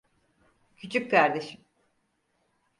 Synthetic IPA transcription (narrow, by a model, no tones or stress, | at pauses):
cʰyt͡ʃʰyckaɾd̪e̞ʃim